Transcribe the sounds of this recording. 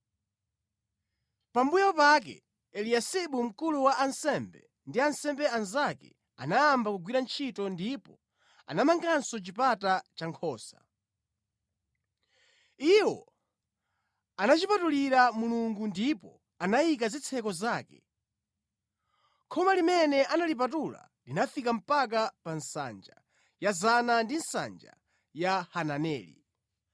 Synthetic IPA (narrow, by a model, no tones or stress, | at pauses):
pambujawɔpak̬ɛ̰ | ɛliasiɓum̩kuluwaʔansɛmbɛ | ndiansɛmbɛanzakɛ̰ | a̰naːmbakuɡwiɾant͡ʃʰitɔndipɔ | a̰namaŋɡansɔt͡ʃipatat͡ʃaŋkʰɔːsḁ | iwɔ̰ | anat͡ʃipatuliɾamuluŋɡundipɔ | anajik̬azit͡sʰɛkɔzaːkɛ̰ | kʰɔmalimɛnɛʔanalip̬atula̰ | linafikam̩pak̬apansa̰nd͡ʒa | jazanandinsa̰nd͡ʒa̰ | jahananɛ̰ːlḭ